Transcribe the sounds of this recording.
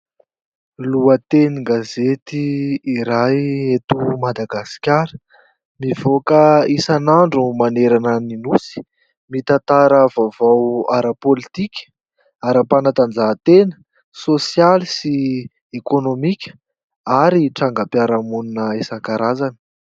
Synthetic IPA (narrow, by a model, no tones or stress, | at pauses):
luət̪eniɡazet̪iːɾajet̪umad̪aɡasi̥kʲaɾə | mivokəisanaɳɖ͡ʐumaneɾanəninusi̥ | mit̪at̪aɾəvavawaɾəpolit̪ikʲə̥ | aɾəpanat̪and͡zat̪enə̥ | sosjalisi | ekonomikʲə̥ | aɾiʈ͡ʂaŋɡapjaɾamuninəesakaɾazanə̥